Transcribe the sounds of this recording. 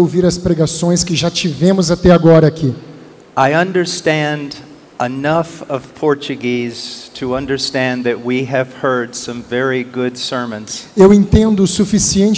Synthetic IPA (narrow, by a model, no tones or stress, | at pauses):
owviɾɐspɾeɡasõj̃skɪʒat͡ʃivẽmʊzat̪ɛaɡɔɾɐːkʰi | ʔaɪʌ̃ndə˞stæ̃nd | ʔɪnʌfʌv̥pʰɔɹt͡ʃɨɡiz̥tʰɨʌ̃ndə˞stæ̃nðɨt̚wiɨv̥hɜ˞d̥sʌ̃ɱvɛɹiɡʊdsɜ˞mɨ̃nz̥ewẽnt̪ẽnd̪ʊsufisiẽnt͡ʃ